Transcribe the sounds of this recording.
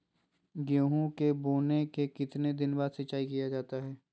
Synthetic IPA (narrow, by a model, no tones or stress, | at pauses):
ɡjoːɦõkeboːnekekɪt̪ned̪ɪnbaːd̪sɐtːt͡ʃːaːikijad͡ʒaːt̪aɦɛː